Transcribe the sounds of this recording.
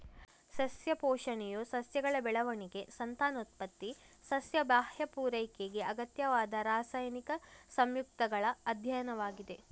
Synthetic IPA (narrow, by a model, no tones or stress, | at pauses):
sɐsjɐpɔːʂɐɳɛjosɐsjɐɡɐɭɐbɛɭɐʋɐɳiɡe̞sɐnt̪aːnut̪̚pɐt̪ːi | sɐsjɐbaːhjɐpuːɾɐjkeɡeɐɡɐt̪jɐʋaːd̪ɐɾaːsaːjɐnikɐsɐmjuk̚t̪ɐɡɐɭɐɐd̪ʱjɐjɐnɐʋaːɡid̪e̞